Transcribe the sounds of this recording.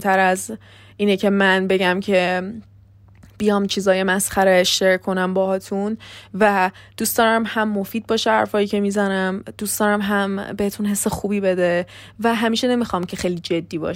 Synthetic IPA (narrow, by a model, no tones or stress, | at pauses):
t̪ʰæɾæz | ʔiːnecʰe̞mænbe̞ɟæmcʰe̞ | b̥ijɒmt͡ʃʰiːzɒːje̞mæsχæɾeʃeɾkʰo̞næmbɒːhɒːt̪ʰunvæd̪̥uːsd̪ɒːɾæmhæmːofiːd̪̚bɒːʃehæ̰ɾfɒːjiːcʰe̞mizænæmd̪uːsd̪̥ɒːɾæmɦæmbe̞het̪ʰunɦe̞sːexuːbiːbe̞d̪evæɦæmiːʃe̞ne̞mixɒːmcʰe̞xejlid͡ʒe̞d̪ːiːbɒ̰ːʃ